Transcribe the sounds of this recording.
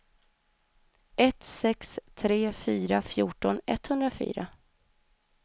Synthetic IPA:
ʔɛt̪sɛkst̪ʰɾeːfyːɾafjuːʈɔnɛt̪hɵnd̪ɾafy̰ːɾa̰

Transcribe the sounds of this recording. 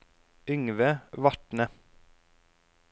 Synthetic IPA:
ʏŋʋəʋɑʈnə

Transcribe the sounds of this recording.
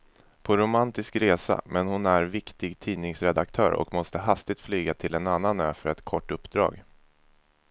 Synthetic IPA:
pʰɔɾʊmant̪ɪskɾeːsa̰mɛnhʊnæɾvɪkt̪ɪɡt̪ʰiːnɪŋsɾɛd̪akt̪ʰœ̰ːɾɔ̰kmɔst̪əɦast̪ɪt̪flyːɡat̪ʰɪlɛnanːanøːfœɾɛt̪kʰɔʈːɵpːd̪ɾɑ̰ːɡ

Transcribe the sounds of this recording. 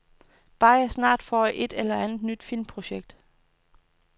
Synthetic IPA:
b̥ɑ̈ːɪɐsnɑ̰̈ːd̥fɒʔe̝d̥elɐænð̩ˠnyd̥fil̰mpʰʁo̝ɕeɡ̥̚d̥

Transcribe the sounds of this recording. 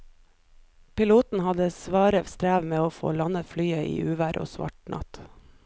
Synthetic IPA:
pɪluːt̪n̩hɑd̪əsʋɑːɾəʋst̪ɾæːʋmeːoːfo̰ːlɑnəflyːəʔḭːʔʉːʋæːɾʔo̰ːsʋɑ̰ʈnʔɑ̰t̪

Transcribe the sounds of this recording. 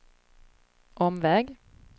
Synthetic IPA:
ʔɔmvɛːɡ

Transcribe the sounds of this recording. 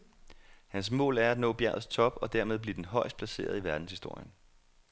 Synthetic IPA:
hæns̬mɔ̰̽ːlæɐæd̥nɔ̰̽ːb̥jæɐ̰ð̩ˠst͡sʰɒ̽b̥ɒ̽d̥æɐmeð̞ˠb̥lid̥enɦɒ̽ɪ̰sd̥̚pʰlæse̝̰ːɐðˠiʋæɐd̥n̩shisd̥o̝ɐ̰jən

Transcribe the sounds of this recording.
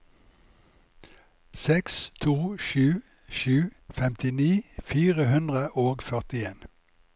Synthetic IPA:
sɛkst̪ʰuːʃʉː | ʃʉːfɛmt̪ʰɪniːfiːʁəhʉnd̪ʁəʔoːɡfœʁt̪ɪeːn

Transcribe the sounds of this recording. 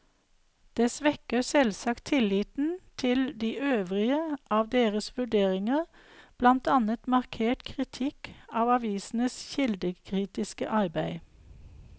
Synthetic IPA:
d̪̥eːsʋɛkəsɛlsɑkt̪ʰɪliːt̪n̩t̪ʰɪld̪iːʔøːʋʁɪəʔɑːʋd̪eːʁəsʋʉɖeːʁɪŋəʁ | b̥lɑnt̪ɑnət̪mɑʁkʰeːʈkʰʁɪt̪ʰɪkɑːʋɑʋiːsn̩əsçɪld̪əkʰʁiːt̪ɪskəʔɑʁbæɪ

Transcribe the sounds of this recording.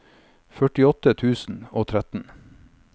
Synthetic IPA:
fœʈɪɔt̪ət̪ʰʉːsn̩oːt̪ʰɾæt̪n̩

